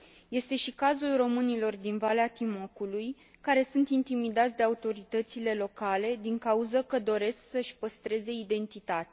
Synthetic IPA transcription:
je̞st̪e̞ʃikazulro̞mɨnilo̞rd̪invaleat̪imo̞kuluj | kaɾe̞sunt̪int̪imid̪at̪sʲd̪eaut̪o̞ɾit̪ət̪sile̞lo̞kale̞d̪iŋkauzəkəd̪o̞ɾe̞sksəʃʲpəst̪ɾe̞ze̞id̪e̞nt̪it̪at̪a

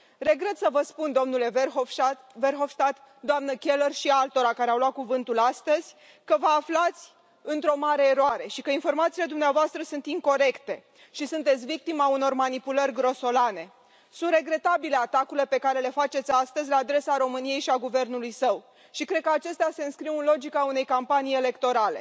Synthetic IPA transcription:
re̞ɡɾe̞t̪səvəspund̪o̞mnule̞v | verxo̞fst̪at̪ | d̪oamnəkʲe̞lərʃialt̪o̞ɾakaɾeawlwat̪̚kuvɨnt̪ulast̪əz̥ʲ | kəvəaflat̪sʲ | ɨnt̪ɾo̞maɾe̞ːɾoaɾe̞ʃikəinfo̞rmat̪siːle̞d̪umneavoast̪ɾəsunt̪iŋko̞ɾe̞kt̪e̞ | ʃisunt̪e̞t̪sʲvik̚t̪imauno̞rmanipulərʲɡɾo̞so̞lane̞ | sunt̪re̞ɡɾe̞t̪abile̞at̪akuɾile̞pe̞kaɾe̞le̞fat͡ʃet̪sʲast̪əzʲlaːd̪ɾe̞saɾo̞mɨnije̞jʃiaɡuve̞rnulujsəw | ʃikɾe̞d̪̚kəat͡ʃe̞st̪ease̞ɨnskɾiwɨnlo̞d͡ʒikaune̞jkampanije̞le̞kt̪o̞ɾale̞̰

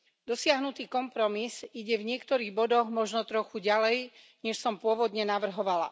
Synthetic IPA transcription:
d̪ɔsɪaɦnut̪iːkɔmpɾɔmisiɟɛvɲɪɛkt̪ɔɾiːɣbɔd̪ɔɣmɔʒnɔt̪ɾɔxuɟalɛj | ɲɛʃsɔmpʊɔʋɔd̪ɲɛnaʋr̩ɦɔʋala̰

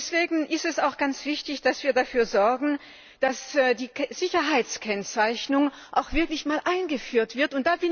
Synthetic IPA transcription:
sv̥eːɡŋ̩ʔɪstɛsaʊxɡ̥ant͡sv̥ɪçtɪçd̥asv̥iːɐdafyːɐzɔɐɡŋ̩ | d̥asdiːz̥ɪçɐɦaɪt͡skʰɛnt͡saɪçnʊŋ | ʔaʊxv̥ɪɐklɪçmaːlʔaɪnɡəfyːɐtv̥ɪɐtʊnt̚d̥aːbɪn

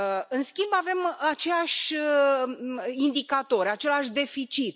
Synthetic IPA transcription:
ɨnskʲimbave̞mat͡ʃe̞laʃʲ | ind̪ikat̪o̞ɾʲat͡ʃe̞laʃd̪e̞fit͡ʃit̪

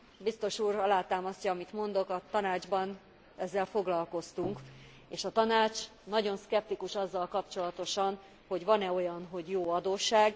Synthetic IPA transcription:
bist̪o̞ʃuːɾɒlaːt̪aːmɒscɒɒmit̪mo̞nd̪o̞kɒt̪ɒnaːd͡ʒbɒn | ɛzːɛlfo̞ɡlɒlko̞st̪uŋk | eːʃɒt̪ɒnaːt͡ʃnɒɟo̞nskɛp̚t̪ikuʃɒzːɒlkɒpt͡ʃo̞lɒt̪o̞ʃɒn | ho̞ɟʋɒnɛo̞jɒnɦo̞ɟjoːɒd̪oːʃːaːɡ

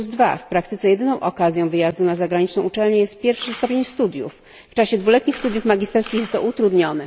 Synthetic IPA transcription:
zd̪va̰fpɾak̚t̪ɘt̪sɛjɛd̪ɘnɔ̃w̃ʔɔkazʲjɔ̃w̃vɘjazd̪unazaɡɾaɲit͡ʂnɛw̃ut͡ʂɛlɲɛjɛst̪̚pʲjɛɾfʂɘst̪ɔpʲjeɲst̪ud̪ʲjṵfː | t͡ʂaɕɛd̪vulɛt̪ɲixst̪ud̪jufmaɡʲist̪ɛɾskʲixjɛt̪ːɔ̰ʔut̪ɾud̪ɲɔnɛ

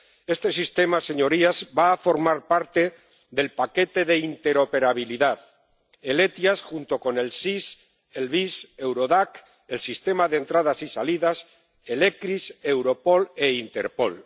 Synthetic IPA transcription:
e̞st̪e̞sist̪e̞mase̞ɲo̞ɾiazbaːfo̞ɾmaɾpaɾt̪e̞ | ðe̞lpake̞t̪e̞ðe̞int̪e̞ɾo̞pe̞ɾaβ̞iliðað | e̞le̞t̪jasxunt̪o̞ko̞ne̞lsis | e̞lβise̞wɾo̞ðak | e̞lsist̪e̞maðent̪ɾað̞asisaliðas | e̞lekɾise̞wɾo̞po̞le̞int̪e̞̰ɾpo̞̰l

